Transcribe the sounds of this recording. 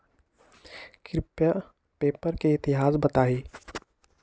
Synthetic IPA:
kɾɪpja | peːpəɾkeɪt̪ɪɦaːsbɐt̪aːɦiː

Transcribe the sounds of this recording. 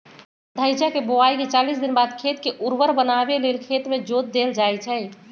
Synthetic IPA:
d̪ʱəjd͡ʒakeboaiket͡ʃalisd̪inbaːd̪kʰet̪keʔuɾʋəɾbənabelelkʰet̪med͡ʒot̪̚d̪eld͡ʒajt͡ʃʰɛ

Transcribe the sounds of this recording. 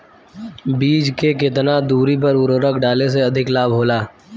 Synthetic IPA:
biːd͡ʒkekɪt̪nad̪uːɾipɐɾʊɾoɾəkɖaːles̬eɐd̪ʱɪklaːbɦoːlaː

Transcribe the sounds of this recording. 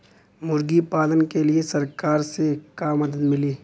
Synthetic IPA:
mʊɾɡipaːlənkeliesɐɾkaːɾsekaːmːɐd̪əd̪mɪliː

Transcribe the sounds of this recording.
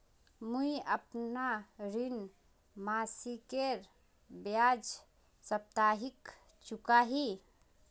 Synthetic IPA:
muiəpnaɾin | masikeɾ | bjad͡ʒ | səp̚t̪aɦik | t͡ʃukaɦi

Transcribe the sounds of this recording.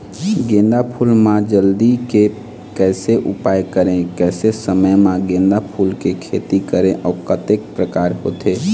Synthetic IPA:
ɡẽnd̪apʰuːlmãd͡ʒəld̪ike | kɛːseʔʊpaːjkəɾẽkɛːsesəməjmãɡẽːnd̪apʰuːlkekʰeːt̪ikəɾẽʔɔːɾkət̪ek̚pɾəkaːɾɦoːt̪eː

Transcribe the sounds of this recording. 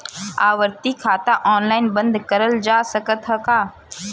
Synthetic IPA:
aːʋəɾt̪ikʰaːt̪aʔɔːnlaːɪnbə̃nd̪kəɾəld͡ʒaːsəkət̪ɦəkaː

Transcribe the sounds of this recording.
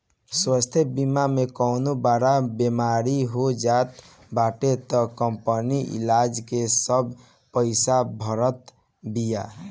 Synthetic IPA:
swast̪ʰebimamekɔʊnobaɾabemaɾiɦod͡ʒat̪ | baʈet̪ɔkəmpəniʔḭlad͡ʒkesəbʱ | pəɪsabʱəɾət̪ | bija

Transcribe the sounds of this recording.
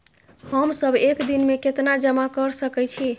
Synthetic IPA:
həmsəbʱekd̪inmeket̪nad͡ʒəmakəɾsəkɛt͡ʃʰi

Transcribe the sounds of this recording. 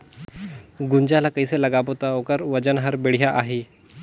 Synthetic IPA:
ɡuɲd͡ʑalakəjseləɡabot̪aokəɾʋəd͡ʑənɦəɾbeɽ̤jaʔaɦe

